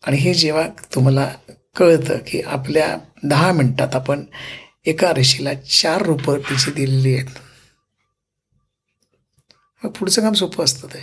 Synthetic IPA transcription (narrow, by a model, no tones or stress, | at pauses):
aɽ̃iɦed͡ʑeʋ̤at̪um̤ala | kəɭt̪ə̰kḭʔa̰plja̰d̪əɦamiɳʈat̪apəɳ | ekaɾəɕilat͡ɕaɾːupəɾt̪it͡ɕʰid̪ililijet̪ | məɡ̚puɽ̤t͡səkamsupʰəəst̪ət̪əj